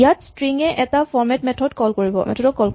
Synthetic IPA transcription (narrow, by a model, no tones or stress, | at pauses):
jatstɹiŋɛʔɛtafɔɹmɛtmɛtʰɔdkɔlkoɹibɔ̰mɛ̰tʰɔdɔkɔlk